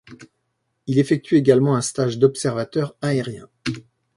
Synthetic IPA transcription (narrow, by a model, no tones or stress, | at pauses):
ilefɛk̚t̪ʰɥyeɡalmɑ̃ɛ̃st̪aʒd̪ɔpsɛʁvat̪œʁaeʁjɛ̰̃